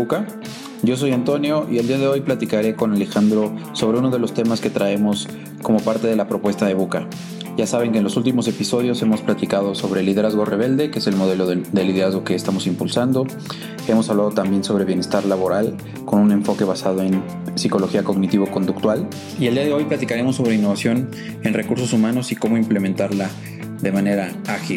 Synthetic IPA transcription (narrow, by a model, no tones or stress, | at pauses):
uka | ɟ͡ʝo̞s̬o̞jant̪o̞njo̞ʔield̪iað̞e̞o̞jplat̪ikaɾe̞ko̞nale̞xand̪ɾo̞so̞β̞ɾeuno̞ð̞e̞lo̞st̪e̞maske̞t̪ɾae̞mo̞s | ko̞mo̞paɾt̪e̞ð̞e̞lapɾo̞pwe̞st̪aðe̞βuka | ʝasaβe̞ŋkenlo̞sult̪̬imo̞se̞piso̞ðjo̞se̞mosplat̪ikað̞o̞so̞βɾe̞liðe̞ɾazɣo̞re̞β̞e̞ld̪e̞keese̞lmo̞ð̞e̞lo̞ððe̞liðe̞ɾazɣoke̞ːst̪amo̞simpulsand̪o̞ | e̞mosaβlað̞ot̪ambje̞nso̞β̞ɾe̞βje̞ne̞st̪aɾlaβo̞ɾal | ko̞nune̞ɱfo̞ke̞βasað̞o̞e̞n | siko̞lo̞xiako̞ɣnit̪iβo̞ko̞nd̪ukt̪wal | ield̪iaðe̞o̞jplat̪ikaɾe̞mo̞sːo̞β̞ɾe̞inːoβasjo̞n | e̞nre̞kuɾso̞sumãno̞siko̞mo̞imple̞mẽnt̪aɾla | ðe̞mãne̞ɾa | axi